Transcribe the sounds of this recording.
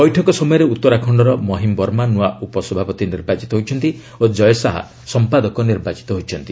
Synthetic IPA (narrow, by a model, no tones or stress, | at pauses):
pɔjʈʰɔkɔsɔmɔjɔɾeut̪ːɔɾakʰɔɳɖɔɾɔmɔɦimbɔɾmanuaupɔsɔbʱapɔt̪iniɾbat͡ʃi̥t̪ɔɦojt͡ʃʰɔnt̪i | od͡ʒɔjɔsaɦa̰ | sɔmpad̪ɔkɔniɾbat͡ʃi̥t̪ɔɦojt͡ʃʰɔnt̪i